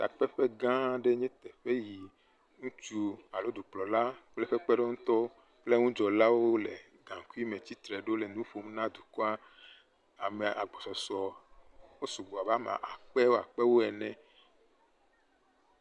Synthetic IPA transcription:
t̪a̰˨k͡pɛ˦ɸe˦ɡã˦ɖe˦ɲɛ̃˦t̪ɛ˨ɸe˦ji˨ | ŋũ˦t͡ʃu˦a˨lo˦d̪u˨k͡plɔ˨la˦k͡ple˦ɸe˦k͡pe˦ɖe˦ŋũ˦t̪ɔ˦ | k͡ple˦ŋũ˦d͡ʒɔ˨la˦wo˦le˨ | ɡã˨ku˦i˦mẽ˨t͡ɕi˦t̪ɾɛ˨ɖe˦o˦le˨nũ˦ɸo˦m˦nã˦d̪u˨kɔ˦a˦ | a˨me˨ʔa̰˨ɡ͡bɔ˨sɔ˨sɔ˨wo˦su˨ɡ͡bo˨a˨ba˦mã̰˨ʔa˨k͡pɛ˦wo˦a̰˨k͡pɛ˦wo˦ɛ˨nɛ̃˨

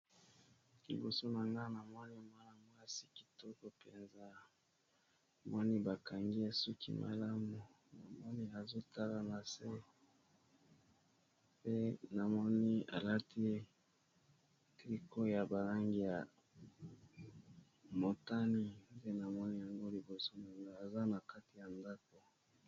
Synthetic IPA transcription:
lḭ˨bo˨so˦na˨ŋɡa˦na˨mwa˦ni˦mwa˦na˨mwa˦si̥˨ki̥˨tɔ˦kɔ˨pe˨nza˦ | mwʔa˦ni˦ba˨ka˨ŋɡi˦a˦su˦kʰḭ˦mʔa̰˨la˦mu˨ | na˨mɔ˦ni˦a˨zo˦ta˦la˨na˨se˦ | pe˦na˨mɔ˦ni˦a̰˨la˦tʰi˦ | tʁi˦ko˦ja˨ba˨la˦ŋɡi˦ja˨ | mo˨ta˦ni˦nde˦na˨mɔ˦ni˦ja˨ŋɡo˦li˨bo˨so˦na˨ŋɡa˨a˨za˦na˨ka˦ti˨ja˨nda˦ko˨

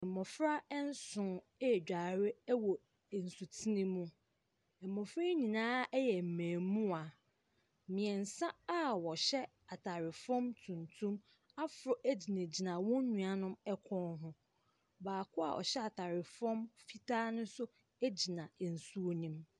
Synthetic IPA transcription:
ɛ̃˨mɔ̃˨fɾa˦ɛ˦n̩˦sʊ̃˨˦˨ | d͡ʑᶣa˨ɾɪ˦wɔ˨ | n̩˨su˨tʰi˦nĩ˦mũ˦ | ɛ˨mːɔ̃˨fɾa˦ɲĩ˨nãː˦ɛ˦jɛ˨m̩˨mæ̃ː˨mũ˦a˨ | mĩ˨ɛ˨n̩˨sã˦a˦wɔ˨ɕɛ˦ | a˨tʰa˨ɾɪ˨fɔ̃˦mtʰũ˨ntʰũ˦m | a˦fʊ˨ɾɔ˨ʔæ˦d͡ʑi˨nẽ˨d͡ʑi˨nã˨wɔ̃˦ɲũ˨a˨nʊ̃˦mɛ˦kʷʰɔ̃˦nɦʊ̃˦ | baː˨kʰʊ˦a̰˨ʔɔ̰˨ɕɛ˦a˨tʰa˨ɾɪ˨fɔ̃˦mfi˦tʰaː˦nʊ̃˦sʊ˦ | æ˦d͡ʑi˨nã˨n̩˨su˦o˦nĩ˦m

